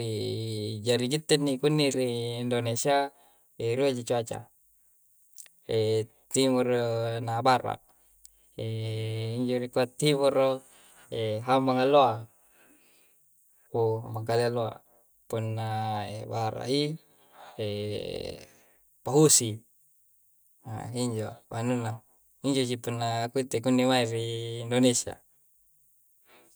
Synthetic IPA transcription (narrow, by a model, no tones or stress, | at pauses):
i | d͡ʒaɾiɡit̪ːɛnːikunːiɾiːndonesia | eɾuad͡ʒit͡ʃuat͡ʃa̰ | e | t̪imurnabaɾa̰ | eiɲd͡ʒoɾikuat̪ːimuro | eɦamaŋaloa | omakalealoa̰ | punːaḛbaɾa̰i | e | paɦusi | a̰iɲd͡ʒobanuna | iɲd͡ʒos̬ipunːakuit̪ekunːimairiːndonesia̰